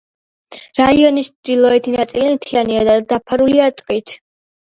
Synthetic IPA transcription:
ɾaiɔnist͡ʃʰd̪ilˠɔɛt̪ʰinat̪sʼilimt̪ʰianiad̪ad̪apʰaɾuliat̪ʼqʼit̪ʰ

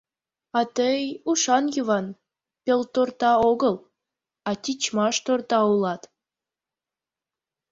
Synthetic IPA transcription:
ɑt̪əjuʃɑnjuβɑn | pʲelt̪ort̪ɑoɣəl | ɑt̪ʲit͡ɕmɑʃt̪ort̪ɑulɑt̪

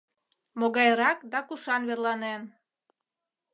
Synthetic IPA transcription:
moɣɑjɾɑkd̪ɑkuʃɑnβerlɑnen

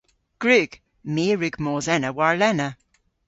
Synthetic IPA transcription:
ɡ̥ɹʉɡ̥ | meːɹʉɡ̥moːzɛnəwaɹlɛnə

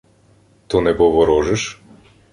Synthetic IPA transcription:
t̪ɔnɛbɔvɔɾɔʒɛʃ

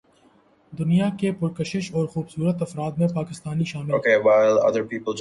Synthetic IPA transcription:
d̪ʊnijakepʊɾkəʃɪʃɔːɾxuːbsuːɾət̪ɐfɾaːd̪mẽpaːkɪst̪aːniʃaːmɪlokewaɪlɐ̰d̪əɾpiːpəl

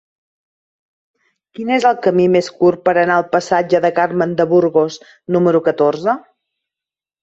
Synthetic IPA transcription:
kinezəlˠkəmimeskurpəɾənaəlˠpəsad͡ʒəðəkarmənd̪əβuɾɣos | numəɾukət̪orzə

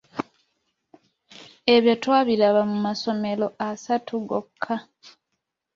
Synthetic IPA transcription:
e̞βjotwaːβilaβamumaso̞me̞lo̞ʔasatʰuɡo̰kʰːa

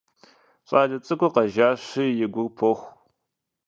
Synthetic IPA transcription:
ɕʼaːɮɐt͡sʼɨkʷʊqɐʒaːɕijɪɡʷʊrpʰoxʷ

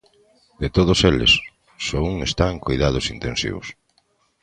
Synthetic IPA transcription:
d̪et̪oðoselḛsː | ouŋest̪ãŋkojðaðʊsint̪ẽnsḭβʊ̰s

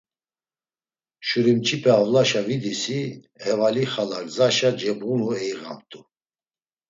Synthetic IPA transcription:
ʃuɾimt͡ʃʰipʰɛavlaʃavid̪isi | hɛvaliχalaɾzaʃad͡ʒɛbʁunuɛiʁa̰mt̪ʼu

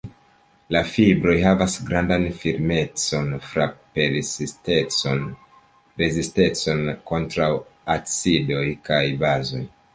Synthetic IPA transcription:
lafibɾo̞jɦavasɡɾandanfiɾme̞t͡so̞nfɾapeɾsen | ɾe̞ziste̞t͡so̞nko̞ntɾawat͡sido̞jkajbazo̞̰j

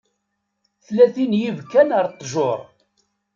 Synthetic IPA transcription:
θlæθinjivkːænəɾˤt̪ˤːʒoɾˤ

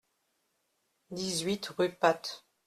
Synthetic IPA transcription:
d̪izɥit̪ʁypat̪

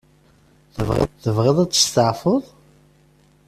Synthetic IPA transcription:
θəvʁ̰θəvʁɪðˤæt͡sːə̥st̪əʕfəðˤ

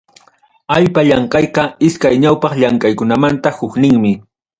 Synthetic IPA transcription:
aʎpaʎɑɴqɑjqɑɪskajɲawpɑχʎaŋkajkʊnamant̪ahʊknɪŋmɪ

